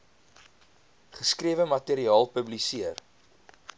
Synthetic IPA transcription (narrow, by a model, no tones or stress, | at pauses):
χəskriəvəmɐteɾiɑːlˠpəblisiər